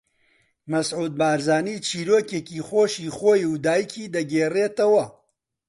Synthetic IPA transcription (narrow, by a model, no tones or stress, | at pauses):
mɐsʕuːd̪̚baːɾzaːniːt͡ʃʰiːɾoːkeːkiːxoːʃiːxoːjuwd̪aːjikʰiːd̪ɐɡeːreːt̪ɐwɐ